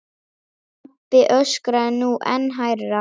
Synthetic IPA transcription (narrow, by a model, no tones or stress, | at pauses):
pɪʔœskɾanuːʔɛ̰nɦajɾːa